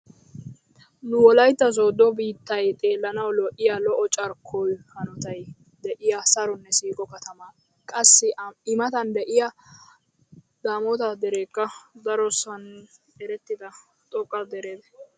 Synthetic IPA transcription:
nʊwɔlɐjt̪ːɐzoːd̪ɔbiːt̪ːɐjt̪ʼe̞ːlːɐnɐwlɔʔɪjɐlɔʔɔt͡ʃʼɐɾkʰːɔjhɐnɔt̪ɐj | d̪ɛʔɪjɐsɐɾɔnːɛsiːkʼɔkɐt̪ɐma | kʼɐsːɪɪmɐt̪ɐnd̪ɛʔɪjɐ | d̪̥aːmɔt̪ɐd̪ɛɾeːkːɐd̪ɐɾɔsɐn | ɛɾɛt̪ːɪd̪ɐ | t̪ʼɔkʼːɐd̪ɛɾeːd̪ɛ

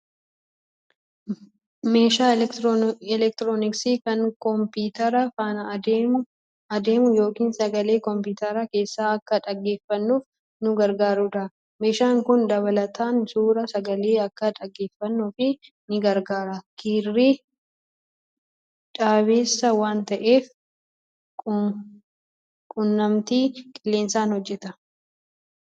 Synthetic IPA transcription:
meːʃaː | ɛlɛk̚t̪ɾoːnɪksɪkɐŋkɔmpiːt̪ɐɾɐfaːnɐd | ɐd̪e̞ːmʊjo̞ːkiːnsɐɡɐle̞ːkɔmpɪːt̪ɐɾɐke̞ːsːaːɐkːɐᶑɐɡːe̞ːfːɐnːuːf | nʊɡɐɾɡaːɾʊdɐ | me̞ːʃaːŋkʊnd̪ɐβɐlɐt̪ʰaːnsuːɾɐsɐɡɐle̞ːɐkːɐᶑɐɡːe̞ːfːɐnːuːfɪ | nɪɡɐɾɡaːɾɐkʰiːrːi | ᶑaːβe̞ːsːɐwaːnt̪ɐʔe̞ːf | kʼʊnːɐmt̪iːkʼɪlːe̞ːnsaːnhɔd͡ʒːɛt̪ɐ

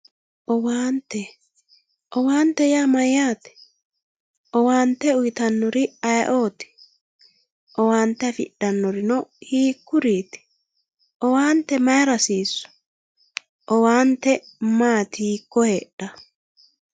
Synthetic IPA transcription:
ʔɔwaːnt̪ːɛ | ʔɔwaːnt̪ːɛjaːmɐjːaːt̪ɛ̥ | ʔɔwaːnt̪ːɛʊjt̪ɐnːɔɾɪɐjʔoːt̪ɪ̥ | ʔɔwaːnt̪ːɛfɪ̰ɗːɐnːɔɾɪnɔhiːkːʊɾiːt̪ɪ̥ | ʔɔwaːnt̪ɛmɐjɾɐsiːsːʊ̥ | ʔɔwaːnt̪ːɛ | maːt̪iːkːɔheːɗɐ

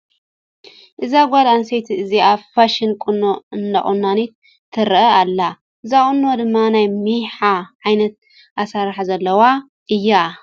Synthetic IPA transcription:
ʔɨzaɡʷalansejt̪ʰiɨziaβfaʃɪnkʼunoɨnd̪a̰χʼunːanit̪̚ʰː | ɨɾʔɐalːa | ʔɨzakʼunːod̪ɨmːanajmijħaʕajnɐt̪̚ | ʔasaɾħazɐlːɐwa | ʔɨjːa

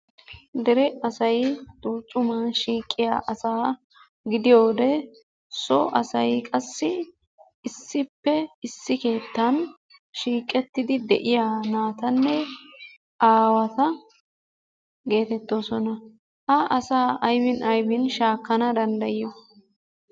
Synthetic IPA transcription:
d̪ɛɾɛɐsɐjd̪uːt͡ʃʼːʊmanʃiːkʼːɪja̰ːʔɐsaː | ɡɪd̪ɪjo̞ːd̪ɛ | sɔʔɐsɐjkʼɐsːɪː | sːɪpːɛɪsːɪke̞ːt̪ːɐn | ʃiːkʼːɛt̪ːɪd̪ɪd̪ɛ̰ʔɪjanaːt̪ɐnːɛ | ʔaːwɐt̪ɐ | ɡe̞ːt̪ɛt̪ːo̞ːsɔnɐ | hɐʔɐsaːʔɐjbɪnʔɐjbɪnʃaːkːɐnɐd̪ɐnd̪ɐjɪjɔ

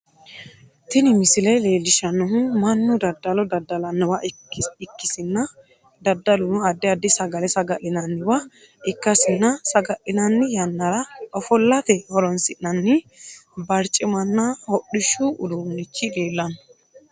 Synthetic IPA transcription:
t̪ɪnɪmɪsɪlɐjleːlɪʃɐnːɔɦʊmɐnːʊd̪ɐd̪ːɐlɔd̪ɐd̪ːɐlɐnːɔwɐ | ɪkːɪsɪnːɐ | d̪ɐd̪ːɐlʊnʊɐd̪ːɛɐd̪ːɪsɐɡɐlɛsɐɡɐʔɪnɐnːɪwɐ | ɪkːɐsɪnːɐsɐɡɐʔɪnɐnːɪjɐnːɐɾɐɔfɔlːɐt̪ɛhɔɾɔnsɪʔnɐnːɪ | bɐɾt͡ʃʼːɪmɐnːɐhɔɗːɪʃʊʔʊd̪uːnːɪt͡ʃːɪᶑeːlːɐnɔ̥

